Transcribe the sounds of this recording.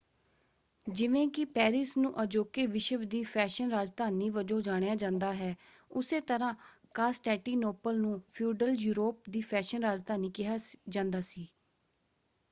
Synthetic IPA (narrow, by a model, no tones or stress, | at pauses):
d͡ʒɪʋẽːkɪpɛːɾɪsnũːʔəd͡ʒoːkeːʋɪʃəbd̪iːpʰɛːʃənɾaːd͡ʒd̪ʱaːnːiːʋəd͡ʒõːd͡ʒaːɽ̃ejaːd͡ʒãːnd̪aːɦɛːʊseːt̪əɾãː | kaːsʈɛːʈiːnoːpəlnũːpʰuːɖəljuːɾoːp̚d̪iːpʰɛːʃənɾaːd͡ʒd̪aːniːkɪɦaːd͡ʒãːnd̪aːsiː